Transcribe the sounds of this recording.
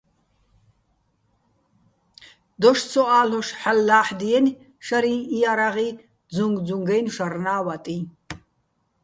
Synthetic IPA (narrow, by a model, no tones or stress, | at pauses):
d̪ɔʃt͡sʰɔaːlɔʃħalːaːħd̪ijɛn | ʃaɾĩːijaɾaʁi | d͡zuŋɡd͡zuŋɡɛjnʃaɾnaːwat̪ʼĩ